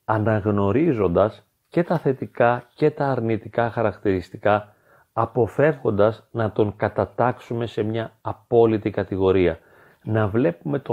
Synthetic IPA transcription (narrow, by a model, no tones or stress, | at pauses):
ɐnɐɣno̞ɾizo̞nd̪ɐs | ce̞t̪ɐθe̞t̪ikɐce̞t̪ɐːɾnit̪ikɐxɐɾɐkt̪iɾist̪i̥kɐː | po̞fe̞vɣo̞nd̪ɐznɐt̪o̞ŋkɐt̪ɐt̪ɐksume̞se̞mɲɐːpo̞lit̪ikɐt̪iɣo̞ɾiɐ | nɐvle̞pume̞t̪o